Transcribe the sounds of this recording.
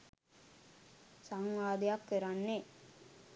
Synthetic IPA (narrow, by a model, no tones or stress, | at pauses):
saŋʋaːd̪ejakːəɾanːe